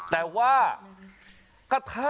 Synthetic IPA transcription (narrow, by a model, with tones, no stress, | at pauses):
t̪ɛː˨˩waː˥˩ | ka˧t̪ʰa˦˥